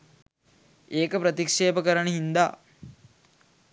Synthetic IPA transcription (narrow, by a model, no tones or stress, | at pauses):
eːkəpɾət̪ikʂeːpəkəɾənəɦind̪a̰ː